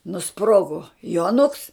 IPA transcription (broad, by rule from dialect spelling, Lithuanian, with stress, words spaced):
nʊˈsproːɡoː juɔˈnʊks